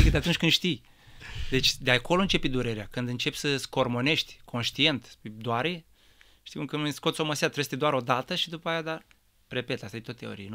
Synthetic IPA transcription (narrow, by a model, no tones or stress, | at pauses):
id̪eat̪unt͡ʃʲkɨnd̪ʃt̪ij | d̪e̞t͡ʃʲd̪eako̞lont͡ʃe̞pid̪uɾe̞ɾeakɨnd̪ɨnt͡ʃe̞psəsko̞rmo̞ne̞ʃt̪ʲkʰo̞nʃt̪ie̞nt̪d̪oaɾe | t̪imkənuesko̞t̪soməseat̪ɾest̪ed̪oaɾo̞d̪at̪əʃid̪upaːjad̪a | ɾe̞pe̞t̪ast̪ad̪et̪ot̪ːeo̞̰ɾijen